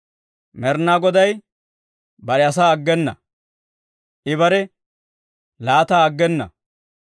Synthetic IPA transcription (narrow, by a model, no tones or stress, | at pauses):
mɛɾnaːɡɔd̪ɐj | bɐɾɛɐs̬aːɐɡːɛnːɐ̰ | ʔɪβɐɾɛ | laːt̪aːɐɡːɛnːɐ̰